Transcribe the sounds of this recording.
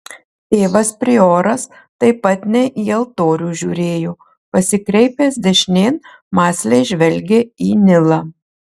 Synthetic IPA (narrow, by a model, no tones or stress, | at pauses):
t̪ʲeːʋɐspʲɾʲɪoːɾɐs | t̪ɐɪpɐt̪nʲɛʔiːɐlˠt̪oːɾʲuːʒʲuːɾʲeːjoː | pɐsʲɪkɾʲɛɪpʲeːsd̪ʲɛʃʲnʲeːn | mɑːsʲlʲɛɪʒʲʋʲɛlʲɡʲeːiːnʲɪlˠɑː